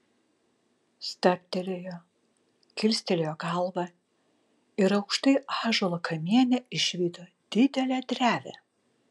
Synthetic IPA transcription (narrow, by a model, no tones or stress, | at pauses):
st̪ɐp̚ʲt̪ʲɛlʲejo | kʲɪlʲsʲt̪ʲɛlʲejoːɡɑlˠbɐ | ɪɾɐʊkʃt̪ɐɪɑːʒolˠɐkʰɐmʲiɛnʲɛɪʃʋʲiːt̪o | d̪̥ʲɪd̪ʲɛlʲɛd̪ʲɾʲæːʋʲɛ̰